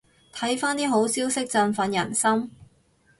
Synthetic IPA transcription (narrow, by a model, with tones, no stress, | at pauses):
t̪ʰɐ˨˥jfaː˥nt̪iː˥ɦo˨˥wsiː˥wsɪ˥k̚t͡sɐ˧nfɐ˨˥njɐ˨˩nsɐ˥m